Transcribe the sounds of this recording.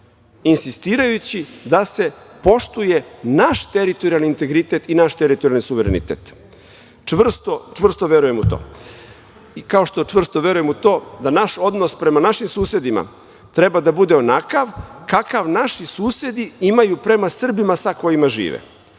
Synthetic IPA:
insist̪iːɾajut͡ɕid̪ase̞po̞ʃt̪uje̞naʃt̪eɾit̪oɾialniːnt̪e̞ɡɾit̪et̪inaʃt̪eɾit̪oɾialnisuʋeɾḛnḭt̪ḛt̪ | t͡ʃʋr̩st̪ot͡ʃʋr̩st̪oʋjeɾuje̞mut̪o̰ː | ikao̞ʃt̪o̞t͡ʃʋr̩st̪o̞ʋe̞ɾuje̞mut̪o̞ːd̪anaʃo̞d̪nospɾe̞manaʃimsuːse̞d̪ima̰ | t̪ɾe̞bad̪abud̪eo̞nakaʋkakaʋnaʃisuːse̞d̪iimajupɾe̞masr̩bimasako̞jimaʒḭːʋḛ

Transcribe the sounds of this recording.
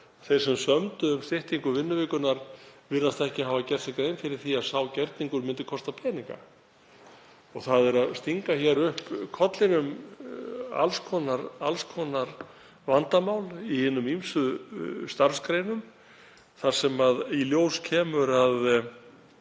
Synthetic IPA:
θejɾ̥sɛmsœmt̪ʏʏmst̪ɪht̪iŋkʏvɪnːʏvɪːkʏnaɾvɪnːast̪ɛhcɪɦaːvacɛɾ̥sθɪkɾeːjnfɪɾɪɾ̥θiaðsaːwcɛɾt̪niŋkʏɾmɪnt̪ɪkʰɔst̪apʰɛːniŋka̰ | ɔɣθaðɛɾaðst̪iŋkaçɛɾʏhpkʰɔt̪lɪnʏm | a̰lskʰɔnaɾa̰lskʰɔːnaɾ | vant̪amawlihɪnːʏmimsʏst̪aɾ̥skɾejnʏm | θaɾ̥sɛmaðiljoːwscʰɛːmʏɾað

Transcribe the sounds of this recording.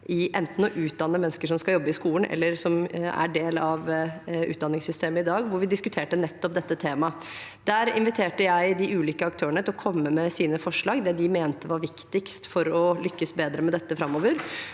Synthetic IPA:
ʔɪʔɛnt̪n̩ɔʔʉːt̪̚d̪ɑnːəmɛnːskəʂɔmskɑljɔbːəɪskuːən̩ʔɛ̰lːəɾsɔmæ̰ɖeːlɑʋʉ̰t̪d̪ɑnːɪŋsʏst̪ʰeːməɪd̪ɑːɡʋʊɾʋɪd̪ɪskʉt̪ʰeːʈənɛt̪ːɔp̚d̪ɛt̪ːət̪ʰeːmɑ | d̪̥æːɾɪ̰nʋɪt̪ʰeːʈəjæɪd̪ɪʔʉːliːkəɑk̚t̪ʰøːəɳət̪ʰɪlɔkʰɔmːəmɛsiːnəfɔʂɭɑːɡd̪ɛd̪ɪmeːnt̪əʋɑɾʋɪkt̪ɪkst̪fɔɾɔlʏkːəsbeːd̪ɾəmɛd̪ɛt̪ːəfɾɑmːoːʋəɾ

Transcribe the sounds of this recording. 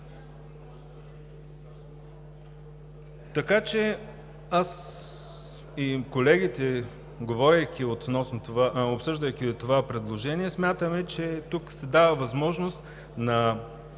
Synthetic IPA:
t̪ɐkat͡ʃɛ | as | ikolɛɡ̟it̪ɛ | ɡovɔɾʲɐjkʲiot̪nɔsnot̪aopsɤʒd̪ɐjkʲit̪ovapɾɛd̪lˠoʒɛniɛsmʲjat̪əmɛt͡ʃɛt̪uksɛd̪avəvɐzmɔʒnost̪ | nɐ

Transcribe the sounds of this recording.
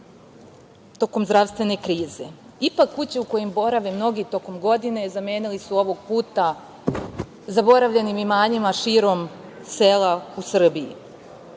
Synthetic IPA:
t̪o̞ko̞mzd̪ɾaʋst̪ʋe̞ne̞kɾiːze̞ | ipakːut͡ɕeuko̞jembo̞ɾaʋemno̞ɡit̪o̞ko̞mɡo̞d̪ine̞zame̞ːnilisuo̞ʋo̞ɡ̚puːt̪a | zabo̞ɾaʋʎe̞nimimaːɲimaʃiːɾo̞mselausr̩biḭ

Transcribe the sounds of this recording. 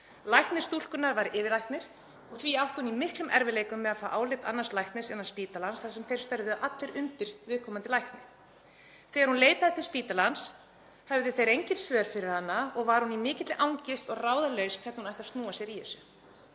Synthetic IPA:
lajht̪nɪst̪ul̥kʏnaɾvaɾʔɪːvɪɾlajht̪nɪɾ̥ | ɔɣθviawht̪hunimɪhklʏmʔɛɾvɪleːjkʏmːɛðaðfaːʔaːwlɪt̪anːaslajht̪nɪsɛnḁspiːt̪alansθasɛmθejɾ̥st̪œɾðʏʔat̪lɪɾʏnt̪ɪɾvɪðkʰɔːmant̪ɪlajht̪nɪ | θɛːɣaɾhunleːjt̪aðɪt̪ʰɪspiːt̪alans | hɛvðɪθejɾejɲcɪt̪svœːɾ̥fɪɾɪɾ̥hanːaɔɣvaɾ̥hunimɪːcɪt̪lɪʔawŋcɪst̪ɔɣraːwðalœɥskʰvɛɾt̪nhunajht̪ḁst̪nuːasjɛɾihɛsʏ

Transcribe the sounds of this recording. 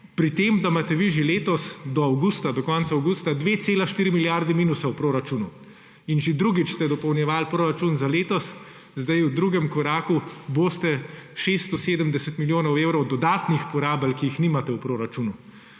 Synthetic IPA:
pɾit̪emd̪amat̪ɛʋiʒeleːt̪ɔsd̪ɔawɡuːst̪ad̪ɔkɔnt̪saɐwɡuːst̪ad̪ʋeːt̪seːlaʃt̪iːɾimiljaɾd̪ɛmiːnusawpɾoːɾat͡ʃuːnu | inʒed̪ɾuːɡit͡ʃst̪ɛd̪ɔpɔwnjɛʋaːlpɾoːɾat͡ʃunzaleːt̪ɔs | zd̪ajwd̪ɾuːɡɛmkɔɾaːkuboːst̪ɛʃest̪ɔseːd̪əmd̪ɛsɛt̪miljoːnɐweːwɾɔwd̪ɔd̪aːt̪nixpɔɾaːbəlkiixniːmat̪ɛwpɾoːɾat͡ʃuːnu

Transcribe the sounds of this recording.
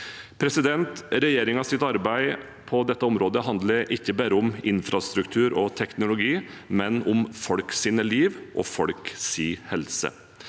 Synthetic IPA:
pʰɾɛsɪd̪ɛnt̪ɾɛjeːɾɪŋɑsɪt̪ɑɾbæɪ | pʰɔd̪ɛt̪ːəɔmɾoːd̪əɦɑnd̪ləɾʔɪçːəbæːɾəʊmɪnfɾɑst̪ɾʉkt̪ʰʉːɾɔt̪ʰɛknʊlʊɡiː | mɛnʊmfɔlksiːnəliːʋʔɔ̰fɔɽksiːhɛlsə̰

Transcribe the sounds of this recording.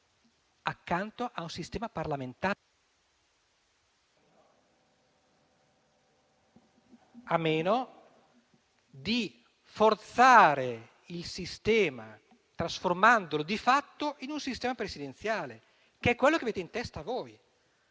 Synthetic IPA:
akːant̪oʔaunsist̪ɛːmaparlament̪aː | amːeːno | d̪i | fort̪saːɾe | ilsist̪ɛːma | t̪ɾasformand̪olod̪ifat̪ːoʔinunsist̪ɛːmapɾesid̪ent̪sjaːle | keɛkːwelːokeaveːt̪eint̪ɛst̪oavoːj

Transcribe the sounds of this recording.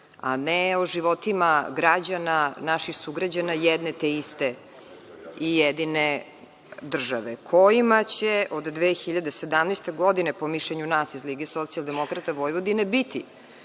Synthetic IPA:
a̰neoʒiʋot̪imaɡɾad͡ʑananaʃixsuɡɾad͡ʑanajɛd̪net̪eist̪e | ijɛd̪ine | d̪r̩ʒaʋekʰo̞jimat͡ɕeʔod̪d̪ʋeːxiʎad̪ese̞d̪amnest̪e̞ɡod̪inepo̞miʃleɲunaːsizliɡeeso̞t̪sialˠd̪emo̞kɾat̪aʋo̞jʋod̪inebit̪i

